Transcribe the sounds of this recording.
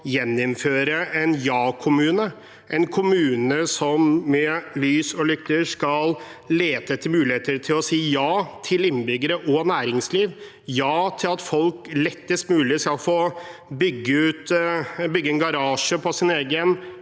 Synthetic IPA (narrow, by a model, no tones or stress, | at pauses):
jɛnːɪmføːɾəʔɛnjɑːkʰʊmʉːnə | ʔɛnkʰʊmʉːnəsɔmːɛlyːsɔlʏkt̪ːəʂkɑlleːt̪ət̪ʰɪlmʉːlɪheːt̪əɾt̪ʰɪlɔsiːjɑːt̪ʰɪlɪnːbʏɡəɾəʔɔnæːɾɪŋsliːʋ | jɑːt̪ʰɪlɑt̪fɔlklɛt̪ːəst̪mʉːlɪskɑlfoːbʏɡːəʉːt̪bʏɡːəɛnɡɑɾɑːʂəpʰɔsɪneːɡən